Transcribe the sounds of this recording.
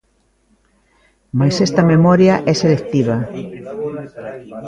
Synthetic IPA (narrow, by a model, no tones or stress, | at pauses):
majsest̪ɐmemɔɾjaʔɛselek̚t̪iβ̞ɐ